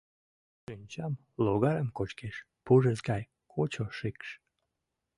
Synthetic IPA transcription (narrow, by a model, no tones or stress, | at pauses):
ʃynʲt͡ɕɑm | loɣɑɾəmkot͡ɕkeʃ | puʒezɡɑj | kʰot͡ɕoʃikʃ